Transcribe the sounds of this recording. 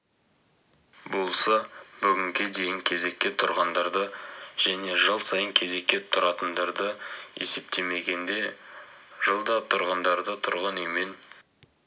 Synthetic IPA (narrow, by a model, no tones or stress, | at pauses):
bo̞lˠsɑbʏɡʲɪŋkʲɪd̪ejɪŋkʲʰe̞ze̞kʲːe̞t̪ʰʊɾʁɑnd̪ɑɾd̪əʒ̥æne̞ʒəlˠsɑjəŋkʲʰe̞ze̞kʲːe̞tt̪ʰʊɾɑt̪ənd̪ɑɾd̪əe̞̰se̞p̚t̪ʰe̞me̞ɡʲe̞nd̪e̞ | ʒəlˠd̪ɑt̪ʰʊɾʁənd̪ɑɾd̪ət̪ʰʊɾʁɑnɵjme̞n